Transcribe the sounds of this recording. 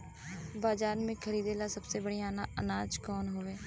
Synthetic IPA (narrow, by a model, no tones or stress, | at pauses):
baːd͡ʒaːɾmẽːkʰəɾiːd̪eːlaːsəbseːbəɽijaːnaːənaːd͡ʒkɔːnɦoːʋeː